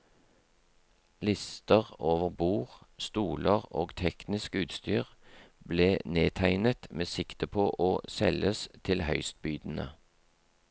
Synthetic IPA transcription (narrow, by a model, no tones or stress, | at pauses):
lɪst̪əʁoːʋəʁbuːʁst̪uːləʁoːɡt̪ʰɛknɪskʉːt̪st̪yːʁbleːneːt̪ʰæɪnət̪meːsɪkt̪əpʰoːʔoːsɛləst̪ʰɪlhœʏst̪̚byːd̪n̩ə̰